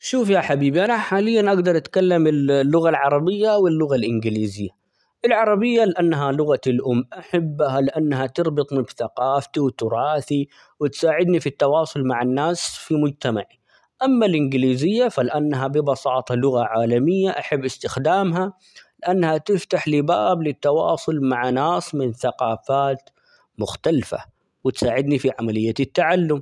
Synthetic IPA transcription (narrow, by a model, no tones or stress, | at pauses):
ʃuːfjaħabiːbiʔanaħaːlɪjːanʔaɡd̪ɑɾˤʔat̪kalːamɪllːʊɣalʕɑɾˤɑbɪjːawɪlːʊɣalʔɪnɡɪliːzɪjːa | ʔɪlʕɑɾˤɑbɪjːalɪʔanːɦalʊɣaɪlʔʊmːʔaħabːhalɪʔanːɦat̪ɨɾbɨt̪ˤmɪbθaqɑːft̪iwt̪ʊɾˤɑːθi | wɪt̪saːʕɪd̪nifit̪ːɑwɑːsˤʊlmaʕanːaːsfimʊd͡ʒt̪amaʕi | ʔamːalʔɪnɡɪliːzɪjːafalɪʔanːɦabɪbɑsɑːt̪ˤɑlʊɣaʕaːlamɪjːaʔaħabːʔɪst̪ɪxd̪aːmɦa | lɪʔanːhat̪ɪft̪aħlibaːblɪt̪ːɑwɑ̰ːsˤʊlmaʕanaːsmɪnθaqɑːfaːt̪ | mʊxt̪alfa̰ | wɪt̪saːʕɪd̪nifiʕamalɪjːat̪ɪt̪ːaʕalːʊm